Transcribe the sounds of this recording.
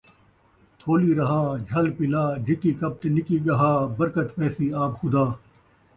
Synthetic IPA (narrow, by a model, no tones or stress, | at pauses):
t̪ʰoːliːɾɐɦãːd͡ʒʱɐlpɪlaːɖʱɪkikɐp̚t̪enɪkiːɡɐɦaːbɐɾkət̪pɛːsiːaːbxʊd̪aː